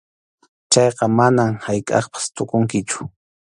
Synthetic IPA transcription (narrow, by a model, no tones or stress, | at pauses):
t͡ʃɑjqɑmanamhajkʼɑ̰χpḁst̪ʊkʊŋkɪt͡ʃʊ̥